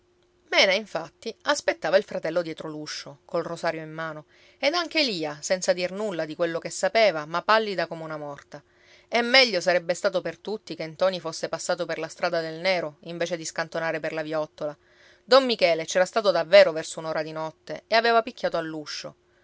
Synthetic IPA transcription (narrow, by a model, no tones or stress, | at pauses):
mɛːnaiɱfat̪ːiaspet̪ːaːvailfɾat̪ɛlːod̪jɛt̪ɾoluʃːokolrosaːɾjoimːaːno | ed̪aŋk̟eliːasɛnt̪sad̪irnulːad̪ikwelːokesːapeːvamapːalːid̪akomeunamɔrt̪a | ɛmːɛʎːosaɾɛbːest̪aːt̪opert̪ut̪ːikent̪ɔːnifosːepasːaːt̪operlast̪ɾaːd̪ad̪elnɛːɾoiɱveːt͡ʃed̪iskant̪onaːɾeperlavjɔt̪ːola | d̪omːikɛːlet͡ʃɛːɾast̪aːt̪od̪avːɛːɾovɛrsounoːɾad̪inɔt̪ːeeaveːvapikːaːt̪oalːuʃːo̰